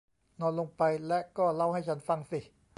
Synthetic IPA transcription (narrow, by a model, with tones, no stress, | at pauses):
nɔː˧nlo˧ŋpa˧jlɛ˦˥ʔkɔː˥˩la˥˩wɦa˥˩jt͡ɕʰa˦˥nfa˧ŋsi˨˩